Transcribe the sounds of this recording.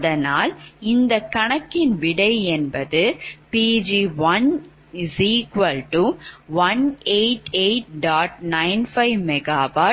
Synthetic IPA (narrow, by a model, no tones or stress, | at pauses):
ðɐnaːlɪnd̪ɐkːɐɳɐkːɪnʋɪɽɐɪɛnbɐðɯpiːd͡ʒiʋɐn | ɪsiːkʋɐlʈuʋɐneɪʈeɪʈ̚ɖaːʈ̚nɐɪnfɐɪʋmɛɡaːʋaː